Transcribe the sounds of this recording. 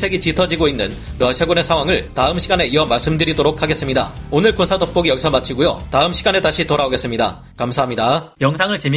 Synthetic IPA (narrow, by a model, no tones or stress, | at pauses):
sʰe̞ɡit͡ɕitʰʌd͡ʑiɡoinːɯn | ɾʌɕʰaɡune̞sʰaŋwaŋɯɭtaɯmɕʰiɡane̞iʌmaɭs͈ɯmdɯɾidoɾok̚ʰaɡes͈ɯmɲida̰onɯɭkonsʰadop͈oɡijʌɡisʰʌmat͡ɕʰiɡujotaɯmɕʰiɡane̞taɕʰitoɾaoɡe̞s͈ɯmɲida̰ | kamsʰaɦamɲidajʌŋsʰaŋɯɭt͡ɕem